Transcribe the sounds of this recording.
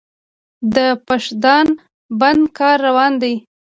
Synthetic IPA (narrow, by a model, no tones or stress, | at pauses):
d̪əpaʃd̪ɑn | band̪kɑɾːawɑnd̪aj